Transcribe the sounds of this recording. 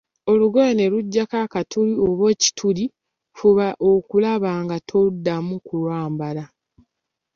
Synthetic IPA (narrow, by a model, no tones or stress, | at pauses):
o̞luɡojeneɾuɟːakakatʰulioβwe̞ːci̥tʰuli | fuβaʔo̞kulaβaːŋɡatʰodːamukulwaːmbala